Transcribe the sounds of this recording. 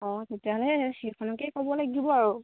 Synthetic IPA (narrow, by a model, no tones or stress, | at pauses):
ɔ̃tetiaɦɔlɛxekʰɔnɔkɛkɔbɔlaɡibɔaɹu